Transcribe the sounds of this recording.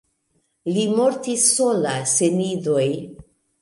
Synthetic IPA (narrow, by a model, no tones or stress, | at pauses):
limo̞ɾtisːo̞lasenidoj